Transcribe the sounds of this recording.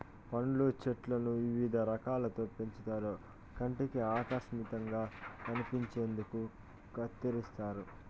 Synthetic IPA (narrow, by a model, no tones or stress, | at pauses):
pɐɳlut͡ʃeʈlɐnuʋiʋid̪ʱɐɾɐkaːlɐt̪o̞ːpeɲt͡ʃut̪aːɾoː | kɐɳʈekiaːkɐʃmit̪ɐŋɡaːkɐnipiɲt͡ʃe̞ːnd̪uku | kɐt̪ːiɾist̪aːɾu